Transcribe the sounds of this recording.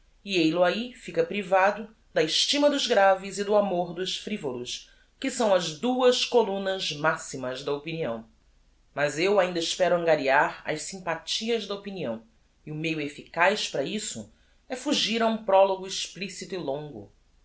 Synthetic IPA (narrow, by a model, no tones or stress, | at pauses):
iejlʊaifikɐpɾivad̪ʊ | d̪ɐɪʃt͡ʃimɐd̪ʊzɡɾavizid̪ʊamoɾd̪ʊʃfɾivolʊs | kɪsɐ̃w̃ɐzd̪uɐʃkolũnɐzmasimɐzd̪ɐopiniɐ̃w̃ | mɐzewaĩnd̪ɐɪʃpɛɾʊɐ̃ŋɡaɾiaɾɐ̰ʃsĩmpat͡ʃiɐzd̪ɐopiniɐ̰̃w̃ | iʊmejʊefikajʃpɾɐisʊ̰ | ɛfuʒiɾaũpɾɔloɡʊɪʃplisit̪ʊilõŋɡʊ̰